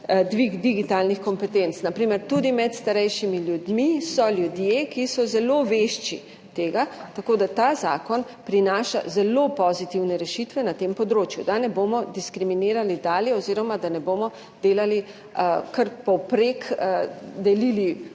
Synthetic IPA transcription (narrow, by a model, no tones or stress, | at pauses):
d̪ʋiɡd̪iɡit̪aːlnixkɔmpɛt̪ent̪snapɾimɛɾt̪ud̪imɛt̪st̪aɾɛjʃimiljud̪misɔljud̪jekisɔzɛloʋeʃt͡ʃḭ | t̪eːɡat̪akoːd̪at̪aːza̰ːkɔn | pɾinaːʃa̰zɛlopɔzit̪iwnɛɾɛʃit̪ʋɛnat̪empɔd̪ɾoːt͡ʃjud̪anɛboːmɔd̪iskɾimineːɾalid̪aːljɛɔziːɾɔmad̪anɛboːmɔ | d̪̥eːlali | kɐɾpɔwpɾek | d̪ɛlili